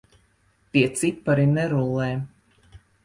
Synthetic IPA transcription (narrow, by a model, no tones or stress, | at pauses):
t̪iɛt̪sipːaɾinɛɾulˠːɛː